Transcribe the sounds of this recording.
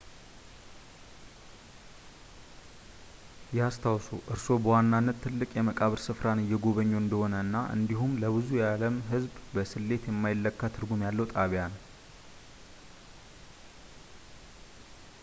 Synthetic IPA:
jɛast̪ʰawsoʔɨɾso̞bəwanːanːət̪ʰːɨlːɨkʼjɛməkʼaβɨɾsɨfɾanɨjːɛɡo̞βəɲːo̞ɨnd̪əho̞nəɨnːaʔɨ̰nd̪iɦumləβɨzujaləmɦɨzbbəsɨlːe̞t̪jɛmːajɪlːəkːat̪ʰɨɾɡumjalːəwt̪ʼaβjanə

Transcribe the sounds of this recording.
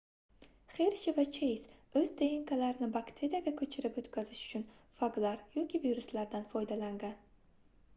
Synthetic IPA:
χeɾʃɪvat͡ʃʰejsɵzd̪ejɪŋkʰalaɾɪnɪbakt̪ʰʲeɾaɡʲakʰɵt͡ʃʰɪɾɪpɵt̪kʲʰazɪʃʊ̥t͡ʃʰʊnfaɡlˠaɾjɒkʲiviɾuslaɾd̪anfɒjd̪alaŋɡʲan

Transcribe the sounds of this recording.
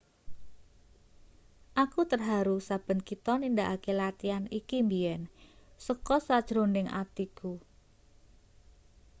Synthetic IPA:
ʔakut̪ərɦaɾusab̥ə̤nkit̪ɔnind̪aʔakelat̪ianikimbiɛnsəkɔsad̥ʒ̥ɾonɪŋa̰t̪iku

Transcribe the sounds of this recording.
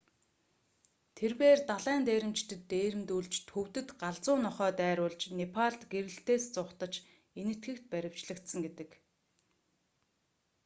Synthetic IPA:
t̪ʰerpeːrt̪aɮæːnt̪eːɾɘ̆mt͡ɕt̪ʰɘ̆t̪ːeːɾɘ̆mt̪uːɮt͡ɕt̪ʰxɵw̥t̪ɘ̆t̪ɢaɮt͡sʊːnɔχœːt̪æːɾʊːɮt͡ɕnepʰaɮt̪ɡeɾɘ̆ɬt̪eːst͡sʊχt̪ə̆t͡ɕ | enɘ̆t̪ɡɘ̆kt̪̚pæɾʲɪ̆w̥t͡ɕɮə̆kt̪sə̆ŋɡet̪ɘ̆k

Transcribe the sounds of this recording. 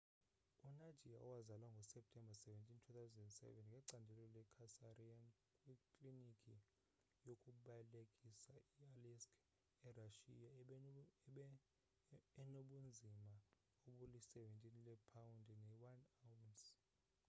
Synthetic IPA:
unḁʒ̥ʱijaʔɔ̰wazalwaŋɡʱɔsɛp̚tʼʰɛmbʱasɛvɛntʼintʰuθawzɛndɛnsɛ̰vɛnŋɡʱɛǀandʱɛlɔlɛkʰasarian | kʼwikʼlinikʼi | jokʼuɓajɛlekʼisaialɛskʰ | ɛraʃḭja | noɓund͡zʱima | oɓulisɛvɛntʼinlɛpʰawundʱɛnɛwanawns

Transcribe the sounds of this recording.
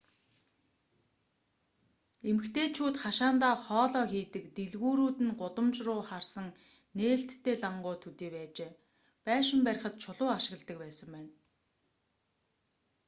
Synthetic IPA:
emɘ̆kt̪ʰeːt͡ɕʰuːt̪χaʃaːnt̪aːχɔːɮɔːxiːt̪ɘ̆kt̪eɮɣuːɾuːt̪ɘ̆nɢʊt̪ə̆mt͡ɕrʊːχarsə̆ŋ | neːɬt̪ʰːeːɮaɴɢʊːt̪ʰɵt̪iːpæːt͡ɕeː | pæːʃɪ̆mpæɾʲɪ̆χə̆t̪̚t͡ɕʰʊɮʊːaʃɪ̆ɣ̆ɮt̪ə̆k̚pæːsə̆mpæːn

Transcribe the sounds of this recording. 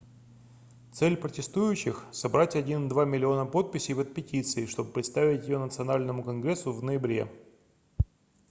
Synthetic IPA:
t̪sɛlʲpɾətʲɪst̪ujʉɕːɪxsɐbɾatʲɐdʲind̪vamʲɪlʲɪo̞nəpo̞t̪̚pʲɪsʲɪvət̪̚pʲɪtʲit̪sɨɪʂt̪o̞bɨpɾʲɪt̪st̪avʲɪtʲjɪjo̞nət̪sɨɐnalʲnəmʊkɐnɡɾʲesːʊvnəjɪbɾʲe̞̰

